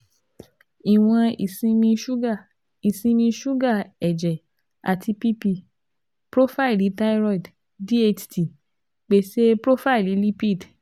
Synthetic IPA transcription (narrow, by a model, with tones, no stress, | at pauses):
i˨w̃ɔ̃˧ḭ˨sĩ˧mĩ˧ʃu˦ɡa˦˨ | i˨sĩ˧˦mĩ˧ʃu˦ɡa˦˨ɛ˨d͡ʒɛ˨ | a˨ti˧pi˦pi˧ | pɾo˦fa˦i˨li˨˦ta˦i˦ɾɔ˦i˨d | di˦e˧t͡ʃti˧˨ | k͡pe˨˧˨se˦pɾo˦fa˦i˨li˨˦li˦pi˦˨d